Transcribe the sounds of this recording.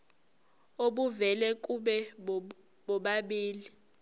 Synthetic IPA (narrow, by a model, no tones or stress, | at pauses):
oɓuvɛlɛk̬ʼuɓɛ | ɓɔɓaɓiːli